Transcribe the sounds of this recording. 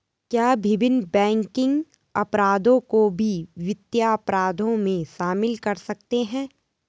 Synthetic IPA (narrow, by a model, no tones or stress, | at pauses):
kjaːbʱɪbɪnbɛ̃ːŋkɪ̃ŋɡ | ɐpɾaːd̪õkobʱiʋɪt̪jaɐpɾaːd̪ʱõmẽʃaːmɪlkɐɾsɐk̚t̪eɦɛ̃ː